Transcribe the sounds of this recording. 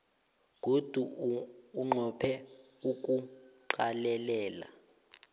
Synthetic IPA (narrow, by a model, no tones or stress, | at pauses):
k̬ud̥ʱuː | ŋ͡ǃʱɔpʰɛ | uk̬ʼuǃalɛlɛːla̰